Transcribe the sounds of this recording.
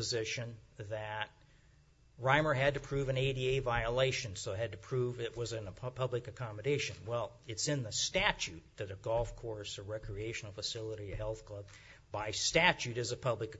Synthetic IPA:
əzɪʃɨ̃nðɨt̚ | ɹãɪ̃mə˞ɨd̚tɨpʰɹ̥ʉvɨ̃neɪɾieɪvaɪəleɪʃɨ̃nsoʊɨɨd̚tɨpʰɹ̥uvɪʔ̚wʌzɨ̃nəpʰʌblɨkɨkʰɑmɨɾeɪʃɨ̃nwɛlˠ | ɨtsɨ̃nðɨstæt͡ʃʉt̪̚ðɨɾɨɡɔlˠfkʰɔɹsɨɹɛkʰɹieɪʃɨn̩l̩ˠfəsɪlˠəɾiɨhɛlˠθkʰl̥ʌb̚ | baɪstæt͡ʃʉɾɨzɨpʰʌblɨk

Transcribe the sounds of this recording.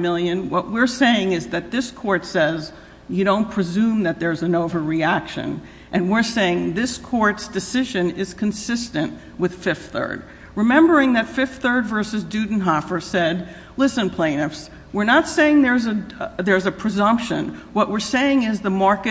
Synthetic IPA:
mɪlˠjɨ̃nwʌʔ̚wɪɹseɪɪ̃ŋɨzðɨt̪̚ðɪskʰɔɹtsɛz | jɨɾõʊ̃npʰɹ̥ɨzʉ̃mðɨt̪̚ðə˞zɨ̃noʊvə˞ɹiækʃɨ̰̃n | ʔɨ̃nwɪɹseɪɪ̃ŋðɪskʰɔɹtsd̥ɨsɪʒɨ̃nɪz̥kʰɨ̃n̩sɪstɨ̃nʔ | wɨð̥fɪfθɜ̰˞d̚ | ɹɨmɛ̃mbə˞ɪ̃ŋðɨtfɪfθɜ˞dvɜ˞sɨzdʉdⁿn̩ɦɑfə˞sɛd̚ | lɪsɨ̃npʰl̥ẽɪ̃nɨfs | wɨɹnətseɪɪ̃ŋðə˞zɨðə˞zɨpʰɹ̥ɨzʌ̃mpʃɨ̰̃nwʌʔwɪɹseɪɪ̃ŋɪzðəmɑɹkɨ

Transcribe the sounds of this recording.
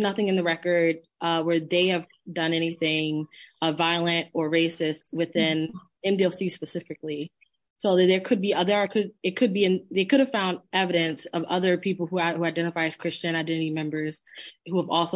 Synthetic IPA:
nʌθɪ̃ŋɨ̃nðɨɹɛkə˞d̚ | ʔʌwə˞ðeɪɨv | dʌ̃nɛñiθɪ̃ŋʌvaɪlˠɨ̃ntə˞ɹeɪsɪstwɨθɪ̃n | ɛ̃mdilˠsispɨsɪfɨkli | soʊðə˞kʰɨd̚biʌðə˞əkʰɨɾɨt̚kʰɨd̚biɨ̃nðeɪkʰʊɾɨv̥fãʊ̃nd̚ɛvɨɾɨ̃nsʌvʌðə˞pʰipl̩ˠhuahuaɪdɛ̃ɾ̃ɨfaɪɨz̥kʰɹ̥ɪst͡ʃɨ̃ñaɪdɛ̃ñɨɾimɛ̃mbə˞z̥huəvɔlˠso

